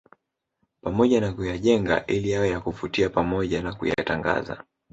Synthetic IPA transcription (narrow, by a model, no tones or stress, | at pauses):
pamɔʄanakujaʄɛŋɡa̰ʔilijajɔjakufutiapamɔʄanakṵja̰taŋɡa̰za̰